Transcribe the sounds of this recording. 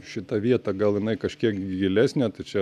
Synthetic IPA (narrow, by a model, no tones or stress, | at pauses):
ʃʲɪt̪ɐʋʲiɛt̪ɐɡɐlˠjɪnɐɪkɐʃʲkʲiɛkɡʲɡʲɪlʲæːsʲnʲɛt̪ɐɪt͡ʃʲɛ